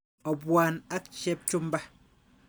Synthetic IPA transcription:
ɔ˨bwa˨na˦kt͡ʃe˦p̚t͡ʃu˦m˦ba˦

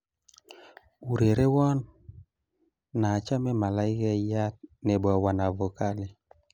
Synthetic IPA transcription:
u˨ɾe˨ɾe˦wɔ˦n | a˨t͡ʃa˦mɛ˦ma˨la˦ɪ˦ka˦ja˦t̪̚ne˨bɔ˨wa˨na˨vɔ˨ka˦le˨

